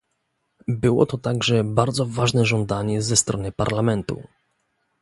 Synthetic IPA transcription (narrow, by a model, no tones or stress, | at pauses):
bɘwɔ̰t̪ɔt̪aɡʐɛbaɾd̪zɔvaʐnɛʐɔnd̪aɲɛzɛst̪ɾɔnɘpa̰ɾlamɛnt̪ṵ